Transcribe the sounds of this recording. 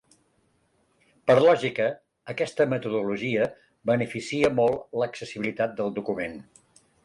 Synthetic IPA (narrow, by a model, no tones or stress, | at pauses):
pəɾlɔʒikəː | kɛst̪əmət̪uðuluʒiə | bənəfisiəmɔlˠləksəsiβilit̪at̪̚d̪əlˠd̪ukumen